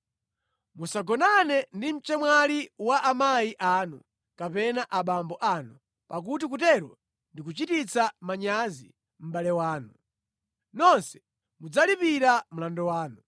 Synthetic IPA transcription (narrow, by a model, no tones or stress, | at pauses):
musaɡɔnanɛndim̩t͡ʃɛmwaliwaʔamajiʔanu | kapɛnaʔaɓambɔʔanu | pak̬ut̬ik̬utɛɾwɔ̰ | ndikut͡ʃitit͡samaɲazḭ | m̩ɓalɛwaːnu | nɔnsɛ̥ | mud͡zalipiɾam̩landɔwaːnu